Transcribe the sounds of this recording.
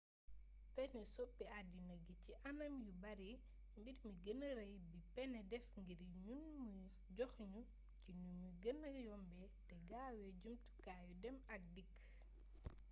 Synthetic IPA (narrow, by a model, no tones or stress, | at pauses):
pɛnɛsɔpːiadinɐɡiciʔɐnɐmjubɐɾi | mbidmiɡənəɾɐjbipɛnɛdɛfŋɡiɾɲunmi | ɟɔxɲu | cinuɲuɡənːɐjɔmbɛ | tɛɡaːwɛɟumtu̥kaːjudɛmɐk̚dikː